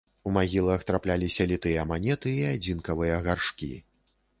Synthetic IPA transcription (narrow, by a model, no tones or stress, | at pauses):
umaɣʲilˠɐxt̪ɾaplʲalʲisʲɐlʲit̪ɨjɐːmanʲɛt̪ɨːad͡zʲinkɐvɨjɐɣarʂkʲḭ